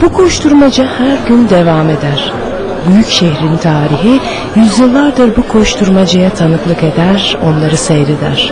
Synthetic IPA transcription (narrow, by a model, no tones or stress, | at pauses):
bukʰo̞ʃt̪ʰuɾmad͡ʒɯhæɾɟynd̪e̞vaːme̞d̪æɾ̥ | byjycʃehɾint̪ʰaːɾiɦi | jyzjɯlˠːaɾd̪ɯɾbukʰo̞ʃt̪ʰuɾmad͡ʒajat̪ʰanɯklˠɯke̞d̪æɾo̞nlˠaɾɯsejɾed̪æ̰ɾ̥